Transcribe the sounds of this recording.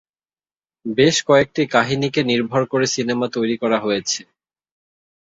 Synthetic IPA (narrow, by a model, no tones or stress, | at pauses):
beʃkɔek̚ʈikaɦinikeniɾbʱɔɾkoɾesinemat̪ojɾikɔɾaɦojet͡ɕʰe